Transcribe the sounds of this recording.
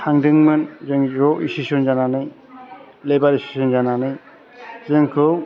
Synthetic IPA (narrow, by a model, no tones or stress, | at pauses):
hʰaŋdɯŋmɯnzɯŋɾɔisisɔnzananɯj | lebaɾisti̥sɔnzananɯj | zɯŋkʰɯw